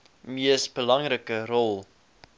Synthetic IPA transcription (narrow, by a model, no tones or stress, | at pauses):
miəsbəlɐŋrəkəɾɔlˠ